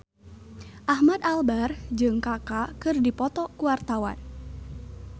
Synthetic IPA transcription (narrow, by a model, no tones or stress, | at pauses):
ʔahmad̪albard͡ʒɨŋkakakɨrdipɔt̪ɔkuwart̪awa̰n